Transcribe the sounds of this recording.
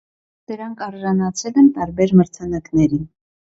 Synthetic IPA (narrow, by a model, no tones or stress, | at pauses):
d̪̥əɾɑŋkʰɑɾʒɑnɑt͡sʰɛlɛnt̪ɑɾbɛɾməɾt͡sʰɑnɑknɛɾin